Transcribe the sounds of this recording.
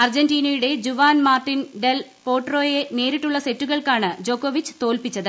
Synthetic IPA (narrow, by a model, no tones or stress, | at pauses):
ɐrd͡ʑɐndiːnɐjuɽe̞d͡ʑuʋaːnmaːrʈːinɖel | po̞ːʈro̞ːje̞ne̞ːɾiʈːuɭːɐse̞tːuɣɐɭkaːɳɨd͡ʑo̞ːkːoːʋit͡ɕːɨ̥t̪o̞ːlpit͡ɕːɐðɨ